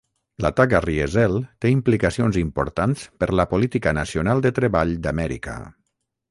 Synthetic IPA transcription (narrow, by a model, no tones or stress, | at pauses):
lat̪akəriezɛlˠt̪eimplikəsionzimpṵɾt̪anspəɾləpolit̪ikənəsionalˠd̪ət̪ɾəβaʎd̪amɛɾḭkə̰